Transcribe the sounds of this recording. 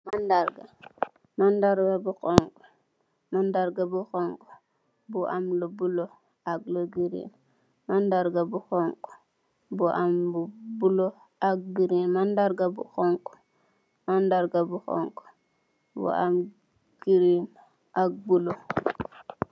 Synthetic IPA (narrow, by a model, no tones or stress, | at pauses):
mandaɾɡa | mandaɾɡabuxɔŋkɔ̥ | mandaɾɡabuxɔŋkɔ̥ | buʔa̰mlobulo | ak̚loɡiɾḭn | mandaɾɡabuxɔŋkɔ̥ | buʔambubulo | ak̚biɾinmandaɾɡabṵxɔŋkɔ̥ | mandaɾɡabuxɔ̰kɔ̥ | bṵa̰m | ɡ̥iɾin | ak̚bulo